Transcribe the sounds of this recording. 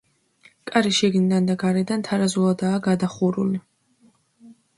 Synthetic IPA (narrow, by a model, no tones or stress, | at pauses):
kʼaɾiʃɛɡnid̪and̪aɡaɾɛd̪ant̪ʰaɾazuad̪aːɡad̪aχuɾuli